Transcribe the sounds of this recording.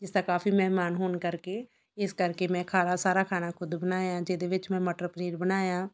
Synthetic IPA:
d͡ʒɪsd̪aːkaːfiːmɛɦmaːnɦʊːnkəɾkeː | ɪskəɾkemɛ̃ːkʰaːɾasaːɾakʰaːnakʰʊd̪bənaːjãːd͡ʒɪd̪eʋɪt͡ʃmɛ̃ːmɔːʈɾoːpɾiːɖbənaːjãː

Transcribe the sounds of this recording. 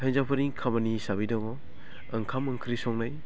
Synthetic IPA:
tʰajzapʰɐɾiŋkʰamɐnisabidaŋɔ | ɐŋkʰamɐŋkʰɾisɔŋnaj

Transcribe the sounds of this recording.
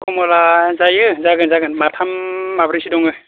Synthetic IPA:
kɔmɔlazajɯzaɡɯnzaɡɯnmatʰamːabɾisidɔŋɯ

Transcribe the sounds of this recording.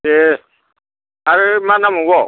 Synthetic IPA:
e | aɾemanãmũwɔ

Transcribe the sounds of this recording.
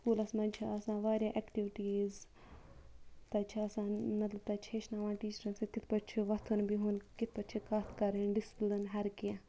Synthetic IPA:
skuːlɐsmɐnʲt͡ʃʰaɐsãːʋaːɾjaːʔekʈiʋɪʈiːz | t̪ɐt͡ʃʰiɐsãːmɐt̪lɐb̚t̪ɐt͡ʃʰeʃnaːʋãːnʈiːt͡ʃɐɾɐnsĩk̪ɪt̪ʰpɐt͡ʃʰuʋɐt̪ʰunbiɦunkɪt̪̚ʰpɐt͡ʃʰikaːt̪ʰkɐɾenɖɪspld̪ɐnɦɐɾkã

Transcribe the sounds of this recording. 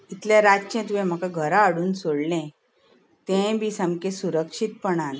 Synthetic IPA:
it̪ljaɾad͡ʑt͡ɕɛ̃t̪̬ujɛ̃m̤akaɡʱəɾaːɽuːnsoɽlɛ̃ | t̪ẽbiːsamkesuɾəkʂit̪̚pəɳan

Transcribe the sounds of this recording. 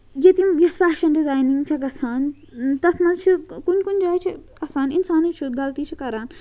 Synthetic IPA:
jet̪imjɐsfaːʃɐnɖizaːjnĩŋɡt͡ʃʰɐɡɐsaːn | t̪ɐt̪ʰmɐnzt͡ʃʰikunʲkunʲd͡ʒaːjt͡ʃʰi | ɐsaːninsaːnɨt͡ʃʰut̪ɡɐlt̪iːt͡ʃʰikɐɾaːn

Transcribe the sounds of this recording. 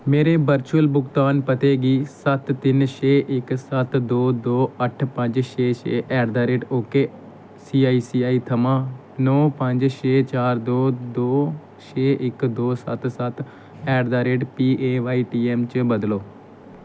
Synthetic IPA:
meːɾeːbəɾt͡ʃuəlbʊɡt̪aːnpət̪eːɡiːsət̪ːɪnʃeːʔɪksət̪d̪oːd̪oːəʈʰpəɲd͡ʒʃʰeːʃḛːʔɛːɖd̪aːɾeːʈoːkeː | siːaːiːsiːaːiːt̪ʰəmãː | nɔːpə̃ɲd͡ʒʃeːt͡ʃaːɾd̪oːd̪oː | ʃʰeːʔɪkd̪oːsə̰t̪sət̪ | ɛːɖd̪aːɾeːʈpiːeːʋaːiːʈiːɛːmt͡ʃəbəd̪loː

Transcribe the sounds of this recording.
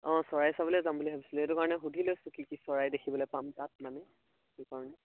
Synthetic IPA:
ɔ̃sɔɹajsabɔlɛzambuliɦabisiletukaɹɔnɛxudʱilojsukikisɔɹajdekʰibɔlojpamtat̚manɛ | kikaɹɔnɛ

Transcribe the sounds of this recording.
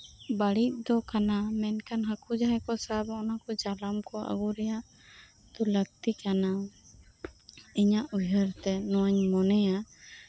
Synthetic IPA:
baɽit̪̚ˀd̪ɔkanamɛnkanɦakud͡ʒaɦɛkɔsabɔnakɔd͡ʒalamkɔa̰ɡuɾɛjaʔ | d̪̥ɔləɡ̚t̪ikana | iɲaʔujɦəɾt̪ɛnɔwaɲmɔnɛja

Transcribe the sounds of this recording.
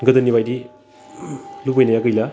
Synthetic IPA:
ɡɐdɐnibajdi | lupajnajakɯjla

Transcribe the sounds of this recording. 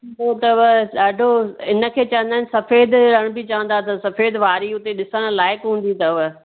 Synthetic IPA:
ot̪ɐʋɗaːɖʱoɪnə̆kʰeːt͡ɕɐʋə̃nd̪aːɪnsɐfeːd̪ɾəɽ̃bɪt͡ɕɐʋə̃nd̪at̪ʰɐsɐfeːd̪ʋaːɾiʊt̪eɗɪsəɽ̃laːɪkɦũːn̆d̪it̪ɐʋə

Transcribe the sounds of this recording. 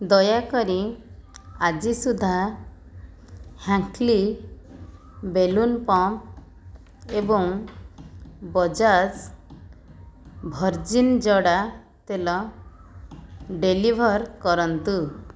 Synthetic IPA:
d̪ɔjakɔɾi | ad͡ʒisud̪ʱa | hãŋkli | belunpɔmp̚ | ebɔŋ | bɔd͡ʒas | bʱɔɾd͡ʒind͡ʒɔɽa | t̪elɔ | ɖelibʱɔɾkɔɾɔnt̪u

